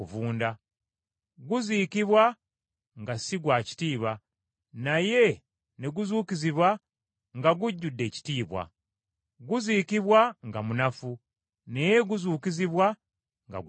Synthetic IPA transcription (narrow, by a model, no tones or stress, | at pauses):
uvuːnda | ɡuziːkiβwa | ŋɡasiɡwaːci̥tiːβa | naje̞ | neɡuzuːkiziβwa | ŋɡaɡuɟːudːe̞ːci̥tiːβwa̰ | ɡuziːkiβwaŋɡamunafu | neje̞ɡuzuːkiziβwa | ŋɡa̰ɡ